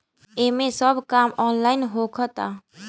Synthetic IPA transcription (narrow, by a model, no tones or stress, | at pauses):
eːmẽsəbkaːmɔːnlaːɪnɦokʰət̪aː